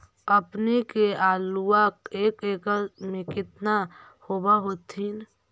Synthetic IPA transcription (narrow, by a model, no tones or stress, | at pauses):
əpnekeaːluakeːkeːkəmẽkɪt̪na | hoːbaɦot̪ʰin